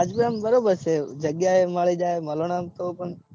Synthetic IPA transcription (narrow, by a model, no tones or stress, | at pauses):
ad͡ʒbiambəɾobəɾt͡ʃʰed͡ʒəɡjaeməɭid͡ʒaeməlonamt̪opəɳ